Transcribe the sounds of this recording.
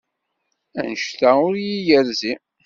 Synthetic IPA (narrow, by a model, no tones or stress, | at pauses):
æ̰nəʃt̪æʊɾjijəɾzi